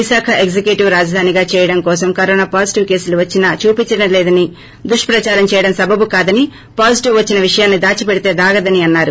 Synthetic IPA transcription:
ʋiʃaːkʰɐʔeɡd͡ʒekjuʈiʋɾaːd͡ʒɐd̪ʱaːniɡaːt͡ʃɛːjɐɽɐmkɔːsɐmkɐɾoːnaːpaːd͡ʒiʈiʋke̞ːsluʋɐt͡ʃːinɐt͡ʃuːpiɲt͡ʃɐɽɐmleːd̪ɐni | d̪uʂʈpɾɐt͡ʃaːɾɐmt͡ʃɛːjɐɽɐmsɐbʱɐbukaːd̪ɐni | paːd͡ʒiʈiʋʋɐt͡ʃːinɐʋiʂɐjaːnːid̪aːt͡ʃipɛɽit̪e̞ːd̪aːɡɐd̪ɐniɐnːaːɾu

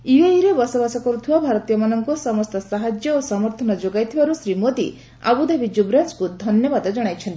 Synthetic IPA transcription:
iejɾebɔsɔbasɔkɔɾut̪ʰibabʱaɾɔt̪ijɔmanɔŋkusɔmɔst̪ɔsaɦad͡ʒjɔosɔmɔɾt̪ʰɔnɔd͡ʒoɡajt̪ʰibaɾusɾimod̪ḭ | a̰bud̪abʱid͡ʒubɾaskud̪ʱɔnjɔbad̪ɔd͡ʒɔɽ̃ajt͡ʃʰɔnt̪i̥

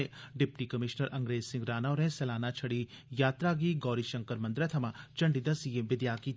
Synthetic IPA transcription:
ɖɪp̚ʈikɐmɪʃnəɾʔɐ̃ŋɡɾeːsɪ̃ŋɡɾaːnaɾẽsɛlaːnat͡ʃʰɐɽi | jaːt̪ɾaːɡiɡɔːɾiʃɐ̃ŋkəɾmɐ̃nd̪ɾɐt̪ʰɐmãt͡ʃɐɳɖid̪ɐsijeʋɪd̪jaːki

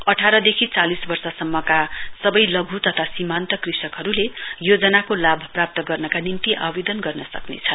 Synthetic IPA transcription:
ʌʈʰaɾʌd̪ekʰit͡salisbʌrsʌsʌmːʌkasʌbʌjlʌɡʱut̪ʌt̪ʰasimant̪ʌkrisʌkɦʌɾulejod͡zʌnakolabʱprap̚t̪ʌɡʌrnʌkanint̪iʔa̰bid̪ʌnɡʌrnʌsʌknḛt͡sʰʌ

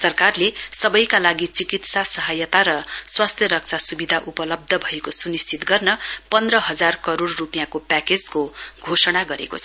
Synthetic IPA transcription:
sʌrkarlesʌbʌjkalaɡit͡sikit̪sasʌɦʌjʌt̪aɾʌswast̪ʰjʌɾʌk̚t͡sʰasubid̪ʱaʔupʌlʌb̚d̪ʱʌbʱʌekosunist͡sit̪ɡʌrnʌpʌnd̪rʌɦʌd͡zarkʌɾoɽːupijãkopaked͡zkoɡʱosʌɽ̃aɡʌɾḛko̰t͡sʰʌ

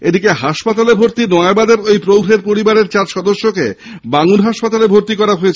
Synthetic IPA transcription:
ed̪ikeɦaʃpat̪alebʱoɾt̪inɔabad̪eɾojpɾowɡɾeɾpoɾibaɾeɾt͡ɕaɾʃɔd̪oʃːokḛ | baŋuɾɦaʃpat̪alebʱoɾt̪ikɔɾaɦoet͡ɕʰ

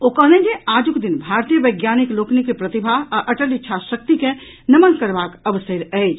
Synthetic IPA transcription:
okɐɦnẽd͡ʒeaːd͡ʒukd̪inbʱaɾt̪ijəʋəɪɡjaːnikloːknikepɾɐt̪ibʱaɦəʔɐʈəlitːʃʰaʃək̚t̪ike | nɐmənkəɾbaːkəʋseɾɛɪd͡ʒ

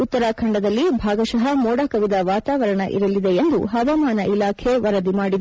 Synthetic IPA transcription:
ut̪ːɐɾakʰɐɳɖɐd̪ɐlːibʱaːɡɐʃɐɦɐmɔːɽakɐʋid̪ɐʋaːt̪aːʋɐɾɐɳɐ̰ʔḭɾɐlid̪eend̪uɦɐʋamaːnɐʔilaːkʰeʋɐɾɐd̪imaːɽid̪

